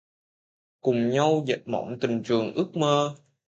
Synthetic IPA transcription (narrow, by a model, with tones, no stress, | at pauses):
kʊ˨˩ŋ͡mɲa˧wzə̰˨˩t̚mɔ̰˧˨˩nt̪ï˨˩ŋt͡ɕɨ˨˩əŋʔɨ˦˥k̚məː˧